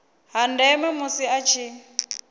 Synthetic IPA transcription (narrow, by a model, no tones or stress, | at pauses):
ɦandɛmɛmusiat͡ʃʰi